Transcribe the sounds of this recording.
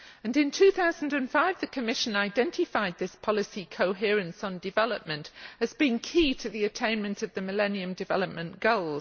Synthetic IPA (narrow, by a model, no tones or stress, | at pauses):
ɨ̃nɪ̃ntʰʉθaʊz̃n̩dɨ̃nfaɪvðɨkʰəmɪʃɨ̃naɪdɛ̃ntɪfaɪd̪̚ðɪspʰɒlˠɪsikʰoʊɦɪəɹɨ̃nsn̩dɨvɛləp̚mə̃ntɨzbĩnkʰitʰɨðiɨtʰẽɪ̃nmɨ̃ntʌvðɨməlɛ̃niɨ̃mdɨvɛ̰lˠəp̚mə̃nɡ̥oʊlˠ